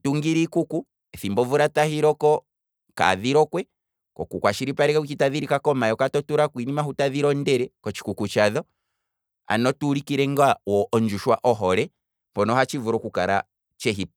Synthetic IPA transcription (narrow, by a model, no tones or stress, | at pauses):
tuŋɡiɾikuku | ɛθimbɔvuɾatahiɾɔkɔ | ka̰ðiɾɔkwɛ | kɔ̰kukwaʃiɾipaɾɛkaut͡ʃitaðiɾikakɔmajɔkatɔtuɾakwinimahutaðiɾɔndɛɾɛkɔt͡ʃi̥kukut͡ʃaðɔ | a̰nɔtuɾikiɾɛŋɡawɔʔɔɲd͡ʒuʃwaʔɔɦɔɾɛ | mpɔnɔɦat͡ʃivuɾɔkukaɾa̰ | t͡ʃɛɦi